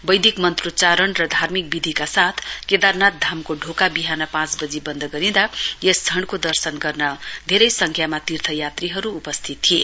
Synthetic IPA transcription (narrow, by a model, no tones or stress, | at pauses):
bʌjd̪ʱikmʌnt̪rut͡saɾʌnrʌd̪ʱarmik̚bid̪ʱikasat̪ʰked̪arnat̪̚d̪ʱamkoɖʱokabiɦanʌpãt͡sbʌd͡zibʌnd̪ʱʌɡʌɾĩd̪ajesd͡zʰʱʌɳɖkod̪ʌrsʌnɡʌrnʌd̪ʱeɾʌjsʌŋkʰjamat̪irt̪ʰʌjat̪riɦʌɾuːpʌst̪ʰit̪tːʰije